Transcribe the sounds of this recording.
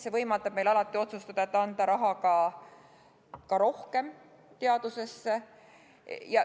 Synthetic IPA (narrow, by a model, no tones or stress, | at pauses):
se̞vɤjmɑlt̪ɑb̥me̞jlɑlɑt̪ˑːio̞t̪sust̪ɑd̪̥ɑet̪ːˑɑnd̪ɑɾɑɦɑkɑ | kɑɾo̞hke̞m | t̪e̞ɑd̪̥use̞sːe | jɑ